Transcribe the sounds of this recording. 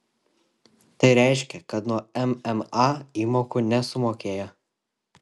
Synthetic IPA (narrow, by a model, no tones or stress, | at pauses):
t̪ɐɪɾʲæˑɪʃʲkʲɛkɐt̪nuɔɛmɛmɑːiːmoːkuːnʲɛsʊmoːkʲeːjɛ